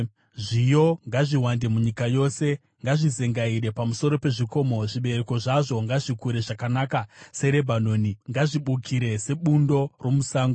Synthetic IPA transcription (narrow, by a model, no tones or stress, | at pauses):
ʐijo̞ŋɡaʐiwande̞muɲikajo̞se̞ | ŋɡaʐize̞ŋɡaiɾe̞pamuso̞ɾo̞pe̞ʐiko̞ːmo̞ʐiɓe̞ɾeko̞ʐaʐo̞ŋɡaʐikuɾe̞ʐakanaːkase̞ɾe̞bʱano̞ːniŋɡaʐiɓukʰiɾe̞se̞ɓundo̞romusaːŋɡo